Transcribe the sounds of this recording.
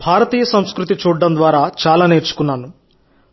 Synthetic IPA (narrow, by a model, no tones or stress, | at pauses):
bʱaːɾɐt̪iːjɐsɐmskɾut̪it͡ʃuːɖːɐnd̪ʋaːɾaːt͡ʃaːlaːne̞ːɾt͡ʃu̥kunːaːnu